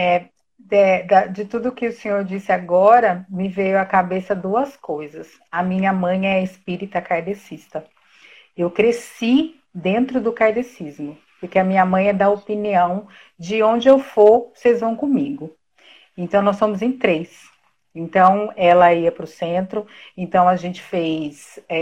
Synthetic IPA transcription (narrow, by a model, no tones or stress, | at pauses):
ɛ | ɛd̪ɐd͡ʒɪt̪ud̪ʊːkɪʊsẽɲoɾd͡ʒisɪaɡɔɾɐmɪvejʊɐkabesɐd̪uɐskojzɐs | ɐmĩɲɐmɐ̃j̃ɛɐɪspiɾit̪ɐkaɾd̪esist̪ɐ | ewkɾesi | d̪ẽnt̪ɾʊd̪ʊkaɾd̪esizmʊ | pʊɾkeɐmĩɲɐmɐ̃j̃ɛd̪aopiniɐ̃w̃ | d͡ʒɪõnd͡ʒɪewfoɾsejzvɐ̃w̃kõmiɡʊ | ẽnt̪ɐ̃w̃nɔsːõmʊzẽj̃t̪ɾejs | ẽnt̪ɐ̃w̃ɛlɐiɐpɾʊsẽnt̪ɾʊẽnt̪ɐ̃w̃ɐʒẽnt͡ʃɪ̥fejsɛ